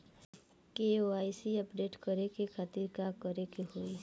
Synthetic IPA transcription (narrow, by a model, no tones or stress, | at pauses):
keoaːisiəpɖeːʈkəɾekekʰaːt̪ɪɾkakəɾekeɦoːi